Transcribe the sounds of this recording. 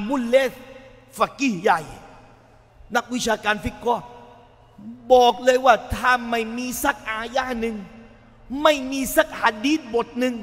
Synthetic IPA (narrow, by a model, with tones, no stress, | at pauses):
mu˧˥˩nleː˦˥˩ | fa˧˩ki˧˩ja˨˩j | na˦˥˩k̚wi˦˥t͡ɕʰaː˧kaː˧nfi˦˥kːɔː˧˥˩ | bɔː˨˩k̚lɤː˧jwaː˥˩t̪ʰaː˥˩ma˥˩jmiː˧sa˦˥k̚ʔaː˧jaː˧˥˩nɯ˧ŋ | ma˥˩jmiː˧sa˧˦˥k̚ha˨˧˩diː˦˥˩t̪̚bo˨˩t̪̚nɯ˧ŋ